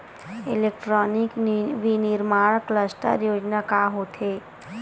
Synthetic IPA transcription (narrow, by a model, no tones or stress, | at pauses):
ɪlekʈɾɔːnɪkʋinɪɾmaːɽkləsʈə̰ɾjoːd͡ʒnakaːɦot̪ʰe